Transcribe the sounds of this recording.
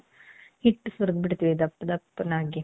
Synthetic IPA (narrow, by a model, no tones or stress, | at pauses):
hiʈːsʋɐɾɡ̪̚biɽt̪iːʋid̪ɐpːd̪ɐpːnaːɡi